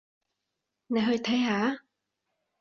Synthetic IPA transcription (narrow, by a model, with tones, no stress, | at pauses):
ne˨˧jɦɵ˧ɥt̪ʰɐ˨˥jhaː˨˥